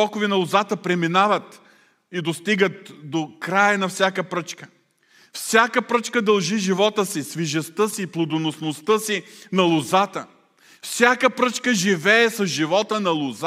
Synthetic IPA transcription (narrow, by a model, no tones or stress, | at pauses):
ɔkʊvɛnɐlˠʊzat̪əpɾɛminavɐt̪ | id̪ost̪iɡət̪̚d̪okɾajənɐfsʲjakəpɾət͡ʃkə̥ | fsʲakəpɾət͡ʃkəd̪ɐlˠʒiʒivɔt̪əsisviʒɛst̪əsiplˠod̪onosnost̪əsinɐlˠʊzat̪ə | fsʲjakəpɾət͡ʃkəʒivɛɛsɐzʒivɔt̪ənɐlˠʊz